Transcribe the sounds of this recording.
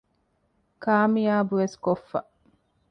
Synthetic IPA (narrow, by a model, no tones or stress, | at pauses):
kaːmijaːbuʋeskofːɐ̰